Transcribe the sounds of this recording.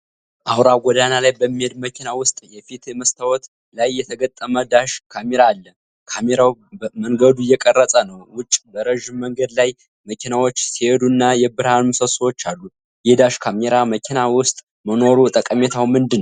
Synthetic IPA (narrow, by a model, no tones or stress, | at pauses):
ʔawɾaɡʷɔd̪analajbəmːihed̪məkʰʲinawʊst̪ʼjɛfit̪ɛməst̪ʰawɔt̪ | lajːɛt̪ʰəɡət̪ʼːəməd̪aʃkʰameɾaːlːə | kʰameɾawməŋɡəd̪ujɛkʼərːəsʼənəwwʊt͡ʃʼːbəɾəʒɪmːəŋɡəd̪laj | məkʰinawot͡ʃːsihed̪uɨnːajɛbɨɾhanusəsəwot͡ʃːalːu | jɛd̪aʃkʰameɾaməkʰinawʊst̪ʼ | məno̞ɾut̪ʼəkʼəmet̪ʰawmɨnd̪ɨnːəw